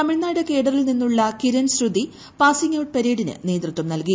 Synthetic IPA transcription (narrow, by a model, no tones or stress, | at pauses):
t̪ɐmiɻnːaːjɽekeːɽɐrilninːuɭːɐkiɾɐnsɾud̪i | paːsiŋɐwʈ̚pɐɾeːɽinɨ̰ne̞ːd̪rɨt̪ːʋɐmnɐlki